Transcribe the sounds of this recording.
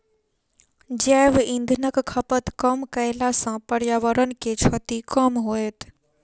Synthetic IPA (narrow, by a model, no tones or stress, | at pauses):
d͡ʒɛːʋɪ̃nd̪ʱnəkkʰəpət̪kəmkəɪlasãpəɽjaːʋəɾənket͡ʃʰɔt̪ikəmɦoet̪ʰ